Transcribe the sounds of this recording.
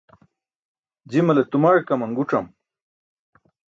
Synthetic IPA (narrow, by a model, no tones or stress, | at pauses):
d͡ʑimɐlet̪umaɻkɐmɐŋɡuʈ͡ʂɐm